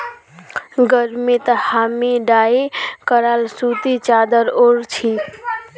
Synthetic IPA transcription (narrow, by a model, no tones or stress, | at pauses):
ɡəɾmet̪əhamiɖaekəɾalsut̪it͡ʃad̪əɾoɾt͡ʃʰi